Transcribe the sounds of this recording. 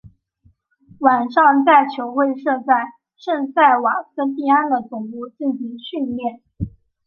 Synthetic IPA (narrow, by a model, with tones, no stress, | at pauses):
wa˨˩nʂɑ˥˧ŋt͡sa˥˩ɪt͡ɕʰjo˧˥ʊxwe˥˧ɪʂɤ˥˧t͡sa˥˧ɪ | ʂə˥˧ŋsa˥˩ɪwa˨˩kʰə˥nt̪̬i˥˧a˥nd̪ə˨t͡sʊ˨˩ŋpu˥˧t͡ɕi˥˩ŋɕi˧˥ŋɕy˥˧nljɛ˥˩n